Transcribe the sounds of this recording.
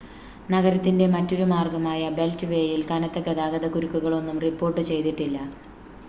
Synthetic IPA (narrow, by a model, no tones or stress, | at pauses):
nɐɣɐɾɐt̪ːinde̞mɐtːo̞ɾumaːrɡɐmaːjɐbe̞ltɨʋe̞ːjilkɐnɐt̪ːekːed̪aːɡɐðɐkuɾukːuɣɐɭo̞nːumripːo̞ːrʈːɨt͡ɕe̞jt̪iʈːilːɐ